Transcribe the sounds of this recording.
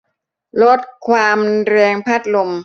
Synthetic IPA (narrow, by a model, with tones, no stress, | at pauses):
lo˦˥t̪̚kʰwaː˧mɾɛː˧ŋpʰaː˥˩t̪̚lo˧m